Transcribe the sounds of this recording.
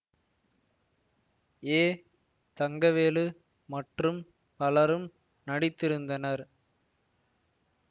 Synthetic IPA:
eː | t̪ɐŋɡɐʋeːlɯ | mɐʈrɯm | pɐlɐɾɯm | nɐɽɪt̪ːɪɾɯnd̪ɐnɐɾ

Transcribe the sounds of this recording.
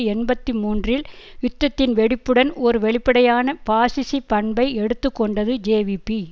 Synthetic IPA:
ɛnbɐt̪ːɯmuːndrɪl | ʏt̪ːɐt̪ːɪnʋɛɽɪpːɯɽɐnɔɾɯʋɛɭɪpːɐɽɐjaːnɐpaːsɪsipɐɳbɐɪɛɽɯt̪ːɯkːɔɳɖɐðɯd͡ʒeːʋipːi

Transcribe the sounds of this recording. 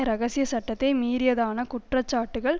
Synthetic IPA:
ɐɾɐɣɐsɪjɐsɐʈːɐt̪ːɐɪmiːɾɪjɐðaːnɐkʊʈrɐt͡ʃːaːʈːɯɣɐɭ

